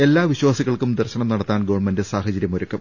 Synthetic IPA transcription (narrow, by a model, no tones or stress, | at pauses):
e̞lːaːʋiɕwaːsiɣɐɭkumd̪ɐrɕɐɳɐmnɐɽɐt̪ːaːnɡo̞ːɳmɐndɨsaːhɐt͡ɕɐɾjɐmoɾɐkːum